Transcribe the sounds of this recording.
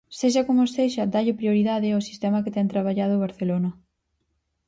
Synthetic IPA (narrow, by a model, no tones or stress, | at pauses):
seʃɐkomoseʃɐd̪aʎɪpɾioɾiðaðɪosist̪ɛmɐket̪ɛŋt̪ɾaβaʎaðʊβ̞aɾθelonɐ